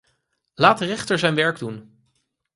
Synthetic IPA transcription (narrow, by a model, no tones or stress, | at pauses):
laːtərɛχtəɹzɛjnʋɛɹɡdun